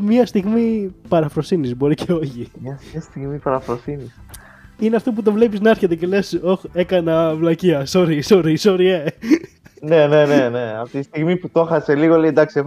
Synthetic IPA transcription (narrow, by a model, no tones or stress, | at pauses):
mɲɐst̪iɣmipɐɾɐfɾo̞sinizbo̞ɾice̞o̞çimɐɐst̪iɣmipɐɾɐfɾosinis | ineɐft̪op̬ut̪̬ovle̞piznɐɐɾçet̪ece̞le̞so̞xe̞kɐnɐvlɐciɐsoɾisoɾiso̞ɾie̞ | ne̞ne̞nene̞ɐft̪it̪ist̪iɣmiput̪o̞xɐse̞liɣoleid̪ɐksiex